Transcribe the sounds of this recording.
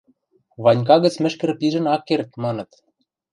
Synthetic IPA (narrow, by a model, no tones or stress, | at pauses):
βɑnʲk̬ɑɣə̆t͡smɘ̆ʃkɘ̆rpiʒɘ̆nɑkːert̪̚mɑnɤ̆t̪